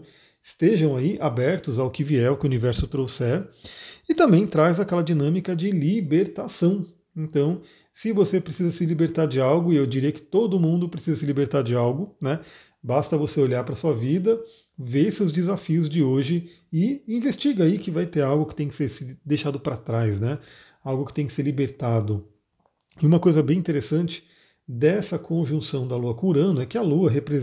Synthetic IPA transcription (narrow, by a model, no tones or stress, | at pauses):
ɪst̪eʒɐ̃w̃aiʔabɛɾt̪ʊzawʊkɪviɛʊkɪʊunivɛɾsʊt̪ɾosɛɾɪt̪ɐ̃mbẽj̃t̪ɾajzakɛlɐd͡ʒinɐ̃mikɐd͡ʒɪlibeɾt̪asɐ̃w̃ | ẽnt̪ɐ̃w̃ | sɪvosepɾesizɐsɪlibeɾt̪aɾd͡ʒɪawɡʊiewd͡ʒiɾejɐkɪ̥t̪od̪ʊmũnd̪ʊpɾesizɐsɪlibeɾt̪aɾd͡ʒɪawɡʊnɛ | bast̪ɐvoseoʎaɾpɾɐsuɐvid̪ɐ | veseʊzd͡ʒɪzafiʊzd͡ʒɪoʒɪ | ɪĩvest͡ʃiɡɐaikɪvajt̪eɾawɡʊkɪ̥t̪ẽj̃kɪ̥seɾsɪd̪ejʃad̪ʊpɾat̪ɾajsnɛ | awɡʊkɪt̪ẽj̃kɪ̥seɾlibeɾt̪ad̪ʊ | iũmɐkojzɐbẽj̃ĩt̪eɾesɐ̃nt͡ʃɪ̥ | d̪ɛsɐkʰõʒũsɐ̃w̃d̪ɐluɐkõʊɾɐ̃nʊɛkɪɐluɐɦepɾe